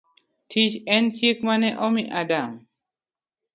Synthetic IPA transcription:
tʰiʃɛnt͡ʃikmanɛʔɔmiʔadam

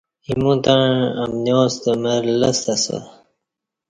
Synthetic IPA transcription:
imũt̪aɻɐmnoːst̪əmeɾlɐst̪ɐso̰

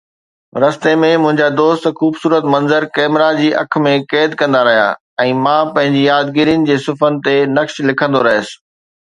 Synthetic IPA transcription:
ɾɐst̪emẽmʊ̃ɦɪ̃ɲd͡ʑad̪oːst̪xuːbsuːɾət̪mɐ̃nzəɾkɛːmɾad͡ʑiːʔɐ̰kʰmẽkɛːd̪̚kɐ̃nd̪aɾɐɦija̰ː | ɛ̃ːmãːpɐ̃ɦɪ̃ɲd͡ʑijaːd̪ɡiːɾijənɪ̆d͡ʑeːsʊfənɪ̆t̪enɐkʃlɪkʰə̃nd̪oɾɐɦɪəsɪ̥̆

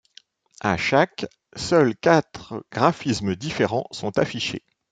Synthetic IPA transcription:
a̰ʃak | sœlkʲat̪χɡ̥ʁafismd̪ifeʁɑ̃sɔ̃t̪afiʃḛ

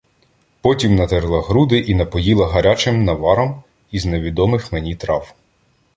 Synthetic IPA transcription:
pɔtʲimnɐt̪eɾlˠɐɦɾud̪ɪʔinɐpɔjilˠɐɦɐɾʲat͡ʃɪmnɐʋɑɾɔm | izneʋʲid̪ɔmɪxmenʲit̪ɾɑw

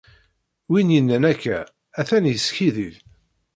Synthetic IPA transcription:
winjənːænækːæ | æθænjəsçiðið

